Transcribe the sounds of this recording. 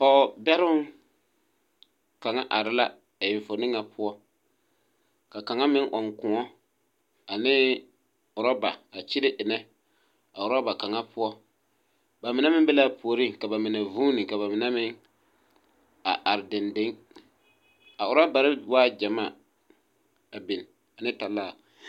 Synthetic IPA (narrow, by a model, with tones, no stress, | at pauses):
pɔ˨bɛ˦ɾʊ˦ | ka˨ŋa˦ʔa˨ɾɪ˦la˦ | a˨jɪ˨ɱ˨fo˨nɪ˦ŋa˨pʰʊ˦ɔ˦ | ka˨ka˨ŋa˦mɪ˦ŋʔɔ˨ŋkʊ̃˨ŋɔ˦ | a˨nɪː˦ | ʊ˨ɾɔ˦ba˨a˨t͡ʃɪ˦ɾɪ˦ʔɪ˨nɛ˦ | a˨ʊ˨ɾɔ˦ba˨ka˨ŋa˦pʊ˦ɔ˦ | ba˨mɪ˨nɛ˦mɪ˦bɛ˦la˦po˨o˨ɾɪ˦ka˨ba˨mɪ˨nɛ˨vuː˦nɪ˨ka˨βa˨mɪ˨nɛ˦mɪ˦ŋ | a̰˨ʔa˨ɾɪ˨dɪ˨ndɪ˦ŋ | a˨ʊ˨ɾa˦ba˨ɾɪ˦waː˦d͡ʒa˨ma˦˨ | a˨bɪ˨n˨ | a˨nɪ˦ta˨la˦˨